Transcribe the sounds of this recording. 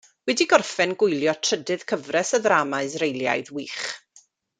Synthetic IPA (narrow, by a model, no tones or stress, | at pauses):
wɛdiɡɔrfɛnɡʊjlˠjɔtʰr̥ədɨð̥kʰəvrɛsəðraːmaɨsrejlˠja̰jðwiːχ